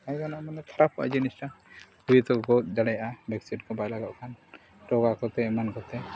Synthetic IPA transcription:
ajkanamanɛt̪ʰaɾap̚ʰɔʔa̰d͡ʒinisʈa | uit̪ɔɡɔt̪̚d͡ʒaɽɛjaʔabɛksiʈkɔbajlaɡaʔkʰan | ʈɔɡakɔt̪ɛɛmankɔt̪ɛ

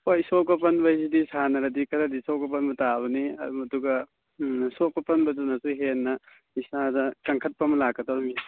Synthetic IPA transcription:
ojsokɐpɐnbɐsidisanɐɾɐdikɐɾadisokɐp̬ɐnbɐtaβɐniɐ̰dumɐduɡɐ | sokɐpʰɐnbɐdunɐsuɦenːɐ | isadɐkɐŋkʰɐt̚pɐmɐlakːɐtaɾmi

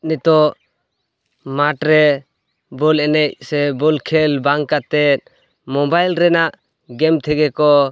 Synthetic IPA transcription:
nit̪ɔ | maʈɾɛ | bɔlɛnɛc̚sɛbɔlkʰɛlbaŋkat̪ɛt̪̚ | mɔbajlɾɛnaʔ | ɡɛmt̪ʰɛɡɛkɔ

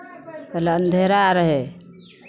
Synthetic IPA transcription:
pələnd̪ʱeɾaɾəɦe

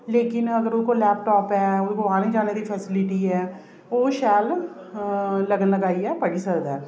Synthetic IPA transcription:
leːkɪnəɡəɾʊkolɛːp̚ʈɔːpɛːʊkoaːnĩd͡ʒaːned̪iːpʰɛːsɪlɪʈiɛː | oːʃaːəl | ləɡənləɡaːiɛːpəɽiːsəɾd̪ɛː

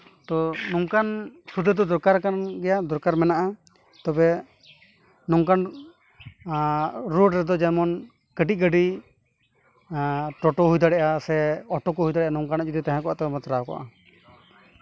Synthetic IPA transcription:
t̪ɔnɔŋkansud̪ʱəd̪ɔd̪ɔɾkaɾkanɡɛjad̪ɔɾkaɾmɛnaʔa | t̪ɔbɛ | nɔŋkan | ɾoɖɾɛd̪ɔd͡ʒɛnmɔn | kəɖiˀɡəɖi | ʈɔʈɔɦujd̪aɽɛʔasɛɔʈɔkɔɦujd̪aɽɛʔanɔŋkanɔd͡ʒud̪it̪ãɦɛ̃kɔʔat̪ɛmɔt̪ɾaɔkɔ̰ʔa

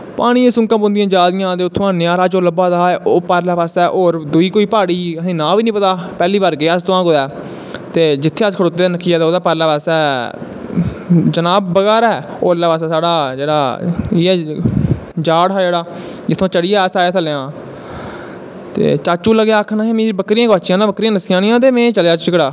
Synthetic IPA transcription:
paːɽ̃iːẽːsʊ̃ŋkãːbʊ̃nd̪ɪ̃jãːd͡ʒaːd̪ɪjãːt̪eːʊt̪ʰːõãːnɪjaːɾaːt͡ʃoːləbaːd̪aːɛːʔoːpaːɾlaːpaːsɛːʔoːɾd̪uiːkoːiːpaːɽiːəsĩːnãːʋiːnĩːpət̪aːpɛːliːbaːɾɡeaːst̪oãːkoːd̪ɛː | t̪eːd͡ʒɪt̪ʰːeːəskʰəɽoːt̪eːd̪aːnəkʰːijaːt̪ːoːd̪aːpaɾlaːpasɛː | d͡ʒənaːbːəɡɛːɾɛːo̰ːəlːaːpaːsɛːsaːɽaːd͡ʒeːɽaːiɛː | d͡ʒaːɽɦaːd͡ʒeːɽaː | d͡ʒɪt̪ʰːõːt͡ʃəɽɪjaːsaːjaːəlːãː | t̪ḛːt͡ʃaːt͡ʃũːləɡjaːkʰːnaːɦeːmĩːbəkɾiːãːkoaːt͡ʃɪjãːnãːbəkɾiːjãːnəsɪjãːnĩjãːt̪eːmẽːt͡ʃəljaːt͡ʃt͡ʃɪkɽaː

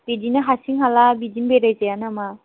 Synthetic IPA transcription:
b̥idinaɦasiŋɦalabidinbeɾajzejanama

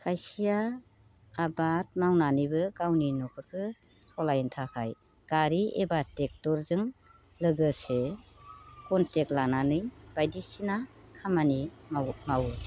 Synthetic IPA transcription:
kʰajsijaː | bat̚mawnanɯjbɯkawninɔkʰɯɾkʰɯ | tʰɔlajntʰakʰaj | ɡ̥aɾiebatek̚tɔɾzɯŋ | lɯɡɯse | kɔnteklananɯjb̥ajdisinakʰamanimawɯ

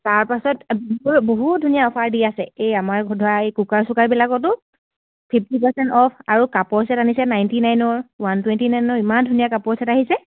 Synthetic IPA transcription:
taɹpasɔtbuboɦutdʱunijaɔpʰaɹdiasɛejamaɹɡɔdʱɔaejkukaɹsʊkaɹibɛlakɔt̬ʊ | pʰip̚ʰtipɛɹsɛntɔpʰaɹukapɔɹsɛtanisɛnajntinajnɔɹwantwɛntinajnɔɹimandʱunijakapɔɹsɛtaɦisɛ

